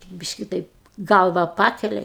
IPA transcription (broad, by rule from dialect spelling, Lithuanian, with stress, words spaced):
ˈbʲɪʃʲkʲɪ ˈtɐɪp ˈɡɐlˠʋɐ ˈpɑːkʲɛlʲɛ ɪ